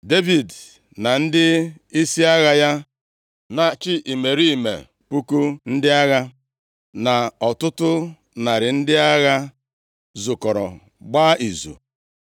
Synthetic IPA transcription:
de˦vi˨d | na˨n̩˦dɪ˦ | i˦si˦a˦ɣa˦ja˦ | na˨t͡ʃɪ˦ʔi˨me˨ɾi˦˨mḛ˨ | pu˦ku˦n̩˦dɪ˦a˦ɣa˦ | na˨ɔ˨tʊ˦tʊ˦ | na˨ɾɪ˨n̩˦dɪ˦a˦ɣa˦ | zʊ˨kɔ˨ɾɔ̰˨ | ɡ͡baː˦ʔi˨zṵ˨

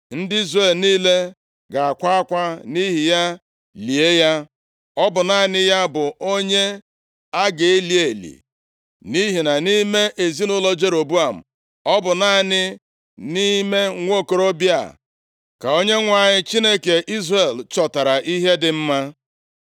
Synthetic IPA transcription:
n̩˦dɪ˦i˦zre˨lniː˦le˦ | ɡa˨a˨kʷa˦a˦kʷa˦ni˦ɦi˨ja˦ | li˨e˦ja˦ | ɔ˦bʊ˨na˦˨nɪ˦ja˦bʊ˨o˦ɲe˦ | a˦ɡe˨e˦li˨e˨lḭ˨ | ni˦ɦi˨na˨ni˦me˦ʔe˨zi˦nʊ˦lɔ˦d͡ʒe˦ɾo˨bu˦a˨m̩˨ | ɔ˦bʊ˨na˦˨nɪ˦ | ni˦me˦ŋʷo˦˨ko˨ɾo˦bja̰˨ | ka˨o˦ɲe˦ŋʷa˨ɲɪ˦t͡ʃi˦ne˦ke˨ʔi˦zre˨lt͡ʃɔ˨ta˨ɾa˨ʔi˦ɦe˦dɪ˨m̩˦ma˦

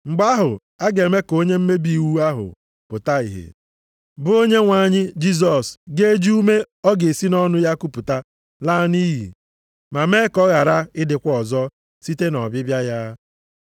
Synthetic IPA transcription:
ŋ͡m̩˨ɡ͡ba˦ɦʊ˨ | a˦ɡe˨me˦ko˦ɲe˦m̩˦me˦bi˦˨wu˦a˦ɦʊ̰˨ | pʊ˨ta˦ḭ˨ɦḛ˨ | bʊ˦o˦ɲe˦ŋʷa˨˦˨ɲɪ˦d͡ʒi˦z̬ɔ˨sɡe˦d͡ʒi˦u˦me˦ | ɔ˦ɡe˨si˦nɔ˦nʊ˦ja˦ku˦pʊ˨ta˦ | la˦ni˦ɦḭ˨ | ma˨me˦kɔ˦ɣa˨ɾa˦ɪ˦dɪ˨kʷɔ˨zɔ˦ | si˦te˦nɔ˨bɪ˦bja˦ja˦

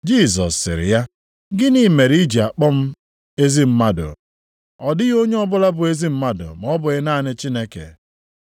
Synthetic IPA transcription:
d͡ʒi˦˨zɔ̰˨sːɪ̰˨ɾɪ̰˨ja˦ | ɡɪ˦niː˦˨me˨ɾi˦d͡ʒi˨a˨k͡pɔ˦m̩˦ | e˦zi˦m̩˦ma˦dʊ̰˨ | ɔ˨dɪ˦ɣo˦ɲe˦ɔ˦bʊ˦la˦bʊ˨e˦zi˦m̩˦ma˦dʊ̰˨m˨ɔ˦bʊ˨ɣɪ˦naː˦˨nɪ˦t͡ʃi˦ne˦kḛ˨

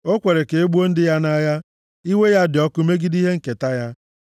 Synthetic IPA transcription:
o˦kʷe˨ɾe˨ke˨e˦ɡ͡bu˦o˦n̩˦dɪ˦ja˦na˦ja˦ | i˦we˦ja˦dɪ˨ɔ˦kʊ˦me˦ɡi˦di˦ɦe˦ŋ̩˨ke˨ta˦ja˦

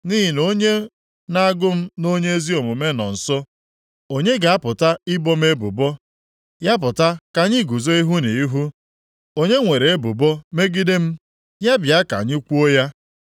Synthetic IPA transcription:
ni˦ɦi˨no˦ɲe˦ | na˦a˦ɡʊ˦m̩˦no˦ɲe˦e˦zi˦o˨mʊ˨me˦nɔ̰˨n̩˨sɔ˦ | o˦ɲe˦ɡa˨a˦pʊ˨ta˦ɪ˦bɔ˦me˦bʊ̰˨bɔ˦ | ja˦p̬ʊ˨ta˦ka˨ɲɪ˦ɡu˨zo˦i˦ɦu˦ni˨i˦ɦu˦ | o˦ɲe˦ŋʷe˨ɾe˨e˦bʊ˨bɔ˦me˦ɡi˦de˦m̩˦ | ja˦bja˦ka̰˨ɲɪ˦kʷu˦o˦ja˦

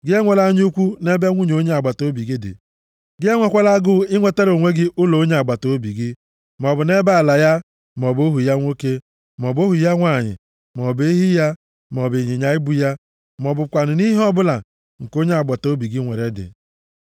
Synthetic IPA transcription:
ɡɪ˦e˦ŋʷe˨la˦ɲ˦u˦kʷu˦ne˦be˦ŋʷu˦ɲ˨o˦ɲe˦a˨ɡ͡ba˨to˦bi˨ɡɪ˦dɪ̰˨ | ɡɪ˦e˦ŋʷe˨kʷa˦la˦ɡʊ˦ɪ˦ŋʷe˦te˦ɾo˨ŋʷe˦ɡɪ˦ʔʊ˦lo˨o˦ɲe˦a˨ɡ͡ba˨to˦bi˨ɡɪ˦ | m˨ɔ˨bʊ˨ne˦ba˦a˨la˨ja˦ | m˨ɔ˨bo˦ɦu˨ja˦ŋʷo˦ke˦ | m˨ɔ˨bo˦ɦu˨ja˦ŋʷa˨ɲɪ̰˨ | m˨ɔ˨bɦi˦ja˦ | m˨ɔ˨be˨ɲi˨ɲa˨ɪ˦bu˦ja˦ | m˨ɔ˨bʊ˨kʷa˨nʊ˨ni˦ɦi˦ɔ˦bʊ˦la˨ | ŋ̩˨ko˦ɲe˦a˨ɡ͡ba˨to˦bi˨ɡɪ˦ŋʷe˨ɾe˦dɪ̰˨

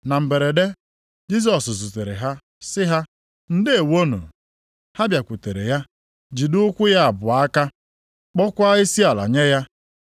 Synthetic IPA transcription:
na˨m̩˨be˨ɾe˨de˦ | d͡ʒi˦s̬ɔ˨szu˨te˨ɾḛ˨ɦa˦ | sɪ˦ɦa˦ | n̩˦dɪ˦e˨wo˦nṵ˨ | ha˦bja˨kʷu˨te˨ɾḛ˨ja˦ | d͡ʒi˨dʊ˦ʊ˦kʷʊ˦ja˦a˨bʊ˨a˦ka˦ | k͡pɔ˦kʷa˦i˦si˦a˨la̰˨ɲe˦ja˦

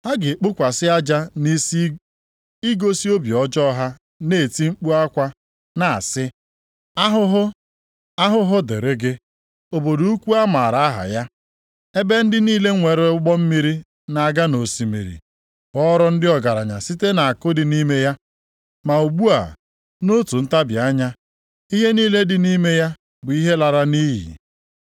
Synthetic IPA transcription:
ha˦ɡɪ˨k͡pʊ˦kʷa˨sɪ˦a˦d͡ʒa˦ni˦s | i˦ɡo˦si˦o˦bi˨ɔ˦d͡ʒɔ˦ɦa˦ | ne˦˨ti˦ŋ͡m̩˦k͡pu˦a˦kʷa˦ | na˨a̰˨sɪ˦ | a˦ɦʊ˦ɦʊ˦ | a˦ɦʊ˦ɦʊ˦dḛ˨ɾe˦ɡɪ˦ | o˨bo˨du˨˦u˦kʷu˦a˦ma˨ɾa˨a˦ɦa̰˨ja˦ | e˦be˦n̩˦dɪ˦niː˦le˦ŋʷe˨ɾe˨ʊ˦ɡ͡bɔ˦m̩˦mi˦ɾi˦ | na˨a˨ɡa˦no˨si˨mḭ˨ɾḭ˨ | ɔ˦ɾɔ˦n̩˦dɪ˦ɔ˨ɡa˨ɾa˨ɲa˨si˦te˦na˨a˨kʊ˦dɪ˨ni˦me˦ja˦ | ma˨u˨ɡ͡bu˦a̰˨ | no˦tu˨n̩˦ta˦bja˦ɲa˦ | i˦ɦe˦niː˦le˦dɪ˨ni˦me˦ja˦ | bʊ˨i˦ɦe˦la˨ɾa˦niː˦jḭ˨

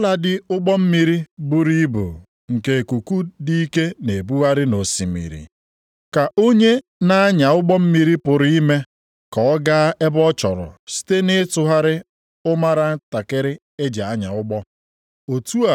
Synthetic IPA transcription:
la˨dɪ˦ʊ˦ɡ͡bɔ˦m̩˦mi˦ɾi˦bu˦ɾi˦bṵ˨ | ŋ̩˨ke˨ku˨ku˦di˦i˦ke˦ne˨bu˦wa˦ɾɪ˦no˨si˨mḭ˨ɾḭ˨ | ka˨ʔo˦ɲe˦ | na˦a˦ɲa˨ʊ˦ɡ͡bɔ˦m̩˦mi˦ɾi˦pʊ˨ɾi˦me˦ | kɔ˨˦ɡa˦a˦ʔe˦bɔ˦t͡ʃɔ̰˨ɾʊ̰˨si̥˦te˦nɪ˦tʊ˨ɦa˦ɾɪ˦ | ʊ˦ma˦ɾa˦ta˨kɪ˦ɾɪ˦ | e˦d͡ʒa˨a˦ɲa̰˨ʊ˦ɡ͡bɔ˦ | o˨tu˦a˨

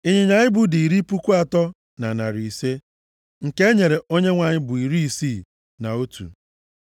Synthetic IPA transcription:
i˦ɲe˨ɲa˨ɲɪ˦bʊ˨di˨i˨ɾi˦pu˦kʷu˦a˨tɔ˦ | na˨na˨ɾi˨se˦ | ŋ̩˨ke˦ɲe˨ɾe˨o˦ɲe˦ŋʷa˨ɲɪ˦bʊ˨i˨ɾi˦i˦si˦˨ | na˨o˦tṵ˨

